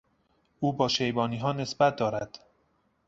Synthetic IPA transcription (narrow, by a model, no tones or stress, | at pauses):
ʔuːbɒːʃejbɒːniːɦɒːne̞sbæt̪̚d̪ɒːɾæd̪̥